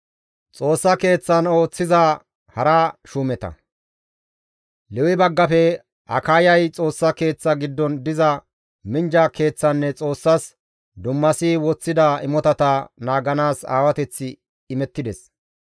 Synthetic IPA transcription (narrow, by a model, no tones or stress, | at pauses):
t͡sʼo̞ːsːɐke̞ːt͡sːɐno̞ːt͡sːɪza | hɐɾaːʃuːmɛt̪ɐ̰ | lɛwɪbɐɡːɐfɛ | ɐ̰kaːjɐjt͡sʼo̞ːsːɐke̞ːt͡sːɐɡɪd̪ːɔnd̪ɪzɐ | mɪnd͡ʒake̞ːt͡sːɐnːɛt͡sʼo̞ːsːɐs | d̪ʊmːɐsiwɔt͡sːɪd̪aɪmɔt̪ɐt̪ɐnaːɡɐnaːsa̰ːwɐt̪ɛt͡sːɪː | mɛt̪ːɪd̪ɛs